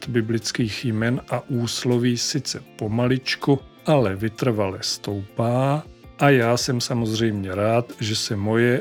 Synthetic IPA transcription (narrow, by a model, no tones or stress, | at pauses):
t̪bɪblɪt͡skiːxjmɛnʔaʔuːslo̞viːsɪt͡sɛpo̞malɪt͡ʃkuʔalɛvɪt̪r̩valɛst̪o̞wpaːʔajaːsɛmsamo̞zr̝ɛjmɲɛɾaːt̪ʒɛsɛmo̞jɛ